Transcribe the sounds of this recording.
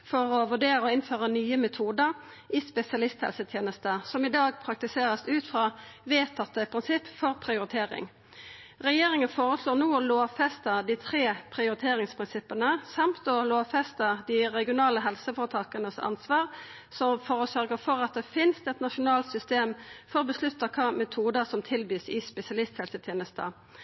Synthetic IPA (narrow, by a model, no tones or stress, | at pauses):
fɔʁɔʋʉɖeːɾəɔɪnføːʁənyːəmɛt̪ʰuːd̪əʁ | ʔɪspɛsɪɑlɪst̪hɛ̰lsət̪ʰjeːnəst̪əsɔmɪd̪ɑːɡ̚pʰɾɑk̚t̪ɪseːʁəsʉːt̪fʁɑːʋeːt̪ʰɑt̪ːəpʰʁɪnsɪpːfɔʁpʰʁɪʊɾɪt̪ʰeːʁɪ̰ŋ | ʁɛjeːʁɪŋənfoːʁəsloːnuːɔloːfɛst̪əd̪it̪ʰʁeːpʰʁɪʊɾɪt̪ʰeːʁɪŋspʰʁɪnsɪpːənəsɑmt̪ɔloːfɛst̪əd̪ɪʁɛɡɪʊnɑːləɦɛlsəfoːʁt̪ʰɑːkənəsɑ̰nsʋɑːʁ | sɔmfɔʁɔsœʁɡəʁfɔɾɑt̪̚d̪ɛfɪnst̪ɛt̪nɑʂʊnɑːlt̪sʏst̪eːmfɔʁɔbəslʉt̪ːəkʰɑːmɛt̪ʰuːd̪əsɔmt̪ʰɪlbiːsɪspɛsɪɑlɪst̪hɛlsət̪ʰjeːnəst̪ə̰